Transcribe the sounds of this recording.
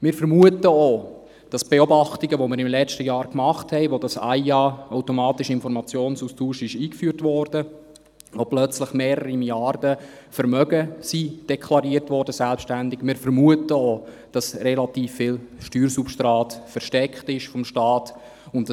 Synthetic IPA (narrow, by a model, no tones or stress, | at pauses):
mɪːɾfəɾmuətəo | d̥ɑsb̥eobɑχtiɡəʋomɪɾɪmlɛt͡ʃtəjɑːɾkmɑχthɛɪʋodɑsa̰ɪɑaʊtomɑːtɪʃɪnfɔɾmɑt͡sjoːnsustuːʃɪʃiːkfyːɾtʋɔːɾd̥ə | ʋoplœt͡sləχmeːɾəɾimiljɑrdə | fəɾmœɡəsid̥ɛkʰlɑɾiəɾtʋɔːɾdəsɛlpʃtændɪɡmɪːɾfəɾmuətəoː | d̥ɑsrɛlɑtiːfːɪlʃtyːɾsupʃtɾɑːtfəɾʃtɛkχtɪʃfɔmʃtɑːt | ʊntd